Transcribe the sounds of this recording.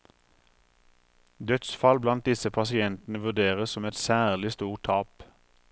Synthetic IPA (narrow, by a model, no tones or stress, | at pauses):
d̪œt̪sfɑlblɑnt̪̚d̪ɪsəpʰɑsɪɛnt̪n̩əʋʉd̪eːʁəssɔmɛt̪sæːʁlɪst̪uːʁʈʰɑːp